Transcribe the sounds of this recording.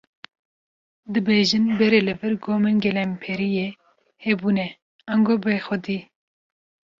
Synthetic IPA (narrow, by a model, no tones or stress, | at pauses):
d̪ɨbeːʒɨnbɛɾelɨvɨɾɡoːmenɡɛlɛmpʰɛɾije | hɛbuːnɛ | ɑŋɡoːbexɔd̪iː